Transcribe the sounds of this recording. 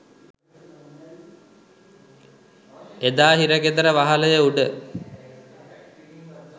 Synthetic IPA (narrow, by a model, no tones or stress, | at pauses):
ed̪aːɦiɾəɡed̪əɾəʋaɦaləjəuɖə